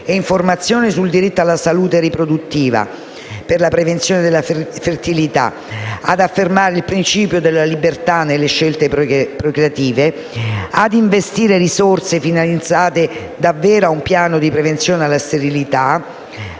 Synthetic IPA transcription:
eiɱformat̪sːjoːnisuld̪iɾit̪ːoalːasaluːt̪eɾipɾod̪ut̪ːiːva̰ | perlapɾevent̪sjoːned̪elafert̪ilit̪a̰ | ad̪afːermaːɾeilpɾint͡ʃiːpjod̪elːalibert̪anːelːeʃːelt̪epɾokɾat̪iːve | ad̪iɱvest̪iːɾeɾisort̪sefinalid̪zaːt̪e | d̪avːeːɾoaumpjaːnod̪ipɾevent̪sjoːnealːast̪eɾilit̪a

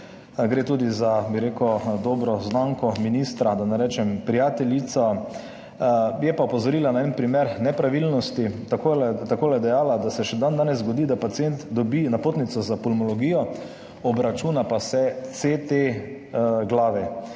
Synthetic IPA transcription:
ɡɾeːt̪uːd̪izabiɾekɔd̪ɔːbɾɔznaŋkɔminist̪ɾad̪anɛɾɛːt͡ʃɛmpɾijaːt̪ɛlit̪sɔ | jɛpaupɔzɔɾiːlanaɛnpɾimeɾnɛpɾaʋilnɔst̪it̪akot̪akoːlɛd̪ɛjaːlad̪asɛʃɛd̪and̪aːnɛzzɡɔd̪id̪apat̪sient̪d̪ɔbinapoːt̪nit̪sɔzapɔlmɔlɔɡiːjɔ | ɔbɾat͡ʃuːnapasɛt̪set̪e | ɡlaːʋɛ

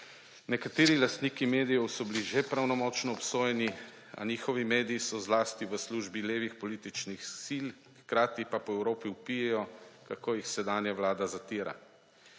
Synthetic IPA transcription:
nɛkat̪eːɾilast̪niːkimeːd̪ijɔwsɔbiliʒepɾawnɔmɔt͡ʃnɔːpsoːjɛni | a̰niːxɔʋimeːd̪iisɔzlaːst̪iʋəsluʒbileːʋixpɔliːt̪it͡ʃnixsil | xkɾaːt̪ipapɔɛwɾoːpiupijɛjɔkakoːjixsɛd̪aːnjawlaːd̪azat̪iːɾa̰

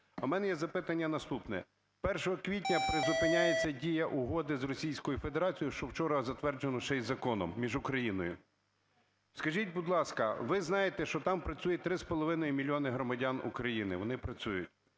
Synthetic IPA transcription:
ɐmɛnɛjɛzɐpɪt̪ɐnʲːɐnɐst̪upnɛ̰ | pɛrʃɔɦɔkʋʲit̬ʲnʲɐpɾezʊpɪnʲajet͡sʲːɐdʲijɐʔʊɦɔd̪ɪzrɔsʲijsʲkɔjʊfed̪eɾɑt͡sʲijʊʃt͡ʃɔwt͡ʃɔɾɐzɐt̪ʋɛrd͡ʒenɔt͡ʃɛjzɐkɔnɔmːʲiʒʊkɾɐjinɔjʊ̰ | skɐʒʲit̚ʲbud̪lˠɑskɐʋɪznɑjet̪ɛʃt͡ʃɔt̪ɑmpɾɐt͡sʲujɛt̪ɾɪspɔlˠɔʋɪnɔjimʲilʲiɔnɪɦɾɔmɐdʲanṵkɾɐjinɪʋɔnɪpɾɐt͡sʲujʊtʲ

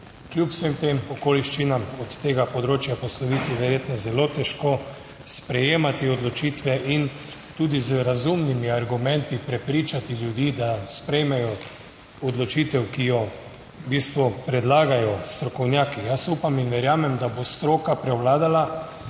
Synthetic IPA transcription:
kljupw̥semt̪eːmɔkoːliʃt͡ʃinamɔt̪ːeːɡapɔd̪ɾoːt͡ʃjapɔslɔʋit̪iʋɛɾjeːt̪nɔzɛloːt̪ɛʃko | spɾɛjeːmat̪iɔd̪lɔt͡ʃiːt̪ʋɛʔin | t̪uːd̪izɾazumnimiaɾɡumɛnt̪ipɾɛpɾiːt͡ʃat̪iljud̪iːd̪aspɾɛjmɛjɔ | ɔd̪lɔt͡ʃiːt̪ɛwkijɔ | biːst̪ʋupɾɛd̪laːɡajɔst̪ɾɔkɔwnjaːkijasupaminʋɛɾjaːmɛmd̪abost̪ɾoːkapɾɛwlaːd̪ala

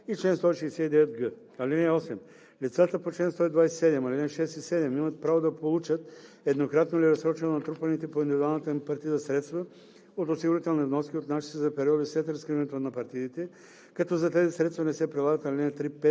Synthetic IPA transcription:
it͡ʃlɛnst̪ɔiʃɛjsɛid̪ɛvɛt̪ɡə | alinɛɔsɛm | lit̪sat̪əpot͡ʃlɛnst̪ɔid̪vajsɛ̥sɛd̪ɛmalinɛʃɛst̪isɛd̪ɛmimɐt̪̚pɾavod̪ɐpolˠut͡ʃət̪ | ɛd̪nokɾat̪noliɾɐsɾɔt͡ʃɛnnɐt̪ɾupɐnit̪ɛpoind̪ivid̪ualˠnət̪əmpɐɾt̪id̪əsɾɛt̪st̪vɐ | ot̪osiɡʊɾit̪ɛlˠnivnɔskʲiot̪naʃi̥t̪ɛzɐpɛɾiɔd̪ifslɛt̪ɾɐ̃skɾivɛnɛt̪onɐpɐɾt̪iit̪ɛ | kɐt̪ɔzɐt̪ɛzisɾɛt̪st̪vɐnɛsɛpɾɛlˠaɡət̪ɐlʲinɛt̪ɾipɛ

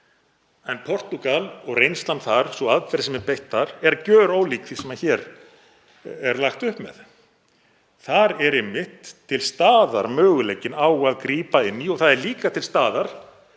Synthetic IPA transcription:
ɛnpʰɔr̥t̪ukalɔɣrejnst̪lant̪θaɾ̥sɔaðfɛɾsɛmɛpejht̪ːaɾɛɾcœːɾaːwliːkθisɛmaðçɛɾ | ɛɾlaxt̪ʏhpmɛ̰ð | θaɾɛɾɪmːɪht̪ʰːɪlst̪aːða̰ɾmœːɣʏlejcːɪnaːwɣaðkɾiːpaɪnːiɔɣθaðɛɾliːkat̪ʰɪlst̪aːðaɾ̥

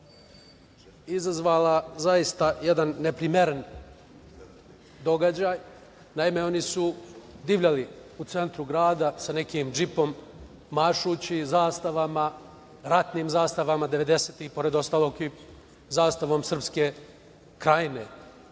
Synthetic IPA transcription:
izazʋaːlazaist̪ajed̪anːepɾimeɾen | d̪o̞ɡad͡ʑaːj | naime̞o̞nisud̪iʋʎʲaliut̪se̞nt̪ɾuɡɾaːd̪asane̞kiːmd͡ʒipo̞mː | aʃut͡ɕizaːst̪aʋama | ɾat̪niːmzaːst̪aʋamad̪e̞ʋe̞d̪e̞seːt̪ixpo̞ɾe̞d̪o̞st̪aːlˠo̞ːɡi | zaːst̪aʋo̞msr̩pske̞ | kɾajine̞

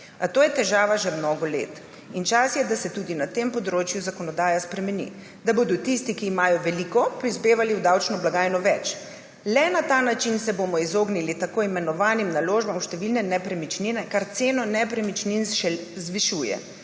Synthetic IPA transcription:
at̪oːjɛt̪ɛʒaːʋaʒɛmnɔːɡɔlḛːt̪ | int͡ʃasjɛd̪asɛt̪uːd̪inat̪eːmpɔd̪ɾoːt͡ʃjuzakɔnɔd̪aːjaspɾɛmɛnḭ | d̪aboːd̪ɔt̪ist̪ikiːmaːjɔʋɛlikɔpɾizbeːʋaliwd̪awt͡ʃnɔblaɡaːjnɔʋɛt͡ʃ | lɛnat̪anat͡ʃinsɛboːmɔizoːɡnilit̪akoːimɛnɔʋaːnimnaloːʒbamwʃt̪ɛʋilnɛnɛpɾɛmit͡ʃninɛkaɾt̪seːnɔnɛpɾɛmit͡ʃninɛzʋiʃuːjɛ̰

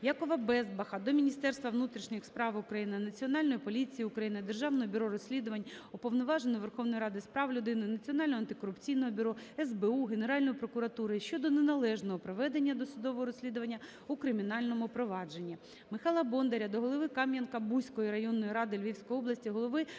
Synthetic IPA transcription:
jɑkɔʋɐbɛzbɐxɐd̪ɔmʲinʲist̪ɛrst̪ʋɐʋnut̪ɾʲiʃnʲixspɾɑʋʊkɾɐjinɪnɐt͡sʲiɔnɑlʲnɔjipɔlʲit͡sʲijiʊkɾɐjinɪd̪erʒɑʋnɔɦɔbʲʊɾɔɾɔsʲlʲid̪ʊʋɐnʲɔpɔʋnɔʋɑʒenɔʋerxɔwnɔjɾɑd̪ɪspɾɑʋlʲʊd̪ɪnɪnɐt͡sʲiɔnɑlʲnɔɐnt̪ɪ̥kɔɾʊpt͡sʲijnɔɦɔbʲʊɾɔɛzbeuɦene̞ɾɑlʲnɔjipɾɔkʊɾɐt̪uɾɪʃt͡ʃɔd̪ɔnenɐlˠɛʒnɔɦɔpɾɔʋɛd̪e̞nʲːɐd̪ɔsʊd̪ɔʋɔɦɔɾɔsʲlʲid̪ʊʋɐnʲːɐ | ukɾɪmʲinɑlʲnɔmʊpɾɔʋɑd͡ʒenʲːi | mɪxɑlˠɐbɔnd̪eɾʲɐd̪ɔɦɔlˠɔʋɪkɑmjɐnkɐbujsʲkɔjiɾɐjɔnːɔjiɾɑd̪ɪlʲʋʲiwsʲkɔjɔblˠɐsʲtʲiɦɔlˠɔʋɪ

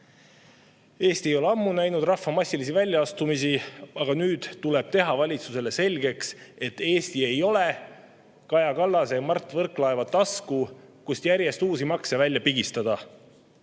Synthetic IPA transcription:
e̞ːst̪iejo̞leɑmːunæjnud̪rɑfːɑmɑsʲːilis̬ivælʲjɑɑst̪umisiɑɡ̥ɑnyːd̪̥ule̞b̥̚t̪e̞ɦɑvɑlʲit̪suse̞le̞se̞lʲɡe̞kse̞t̪ːe̞ːst̪ie̞jo̞le | kɑjɑkɑlːɑsemɑrt̪ːˑvɤrklɑevɑt̪ːˑɑskukust̪jæɾje̞st̪uːsimɑksevælʲːjɑpiɡ̥ist̪ɑd̪ɑ

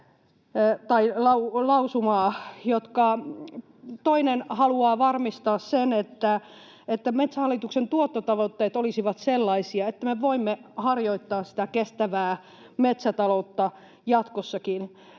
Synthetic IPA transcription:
t̪ɑilɑulɑusumɑːjot̪kɑ | t̪oinenhɑluɑːʋɑrmist̪ɑːssenet̪ːæ | et̪ːæmet̪sæhɑlːit̪uksent̪uot̪ːot̪ɑʋot̪ːeːt̪olisiʋɑt̪selːɑisiɑet̪ːæmeʋoimːehɑrjoit̪ːɑːssi̥t̪ækest̪æʋæː | met̪sæt̪ɑlout̪ːɑ | jɑt̪kosːɑkin

